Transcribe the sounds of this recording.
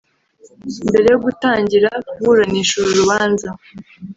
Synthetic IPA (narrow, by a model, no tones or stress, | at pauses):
imbe̞ɾe̞joɡutaːɲɟiɾakuuɾaniːʃuɾuɾuβaːnza